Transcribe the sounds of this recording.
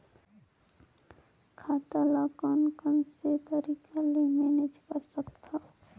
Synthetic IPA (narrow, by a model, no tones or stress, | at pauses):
kʰaːt̪alakɔːnkənset̪əɾiːkʰalemeːned͡ʒkəɾsəkt̪ʰaː